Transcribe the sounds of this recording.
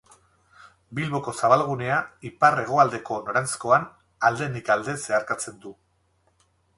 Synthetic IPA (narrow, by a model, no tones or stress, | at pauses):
bilβo̞ko̞saβ̞alɣ̞une̞aipare̞ɣ̞o̞ald̪e̞ko̞no̞ɾant͡sko̞an | ald̪e̞nikald̪e̞se̞aɾkat͡se̞nd̪u